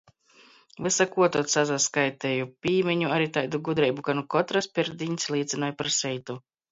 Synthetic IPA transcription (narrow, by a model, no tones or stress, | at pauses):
vsakuɔt̪uɔt̪sazaskajt̪ɛjupʲiːmɛɲuaɾit̪ajd̪uɡud̪ɾɛjbuɡanukɔt̪ɾaspʲiɾd̪iɲʲslˠiːt̪sʲɨnɔːjpaɾsʲɛjt̪u